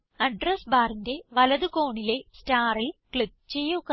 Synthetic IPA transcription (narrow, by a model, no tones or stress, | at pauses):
ɐɖrɐsbaːrinde̞ʋɐlɐðɨkoːɳile̞staːrilkɭip̚t͡ɕe̞jːukː